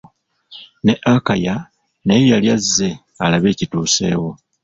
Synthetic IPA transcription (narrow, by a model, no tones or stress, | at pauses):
ne̞ʔakaja | nejejaljazːe̞ | alaβe̞ːcituːse̞̰ːwo̞